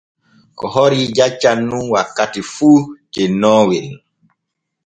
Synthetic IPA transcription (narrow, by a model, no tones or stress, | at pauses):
kɔɦɔɾid͡ʒat͡ʃːanːunwakːatifuːt͡ʃɛnːɔːwɛn